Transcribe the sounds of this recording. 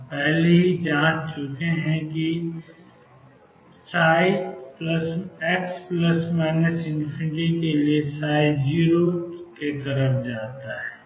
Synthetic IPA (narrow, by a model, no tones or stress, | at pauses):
pɛɦleɦid͡ʒãːd͡ʒt͡ʃʊkeɦɛ̃ki | saːipləsekspləsmɛːnəsɪ̃npʰɪ̃ɳʈikeliesaːid͡ʒiːɾoket̪ɐɾəfd͡ʒaːt̪aɦɛː